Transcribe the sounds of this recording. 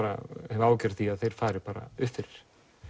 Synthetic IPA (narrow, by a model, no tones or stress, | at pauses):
ɾa̰hɛvʏaːwcɛɾ̥t̪θiaðθejɾ̥faːɾɪpaːɾa̰ʏhθɪɾɾ̥